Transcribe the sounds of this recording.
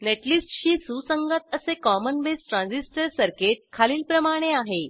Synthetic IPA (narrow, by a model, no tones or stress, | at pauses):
neʈlisʈɕiːsusəŋɡət̪əsekɔmənʋesʈɾãnsisʈəɾsəɾkeʈ̚kʰaliːlpɾəmaɽ̃eaɦe